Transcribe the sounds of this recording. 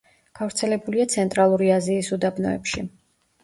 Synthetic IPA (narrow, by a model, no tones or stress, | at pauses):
ɡ̥avɾt̪sʰɛlɛbuliat̪sʰɛnt̪ʼɾalˠuɾiaziːsud̪abnɔɛ̰pʃi